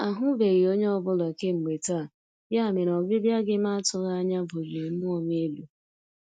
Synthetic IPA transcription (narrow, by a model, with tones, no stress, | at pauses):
a˨ɦʊ˦be˨ɣi˨o˦ɲe˦ɔ˦bʊ˦la˨ke˦ŋ͡m̩˨ɡ͡be˨ta˦˨ | ja˦˨me˨ɾɔ˨bɪ˦bja˦ɡɪ˦ma˦a˦tʊ˦ɣa˦ɲa˦bo˨d͡ʒe˨mʊ˦ɔ˨ɲ˦e˦lu˨